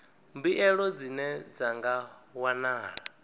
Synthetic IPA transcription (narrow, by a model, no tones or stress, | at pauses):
mbiʔɛɺɔd͡zinɛd͡zaŋɡawanaːɺa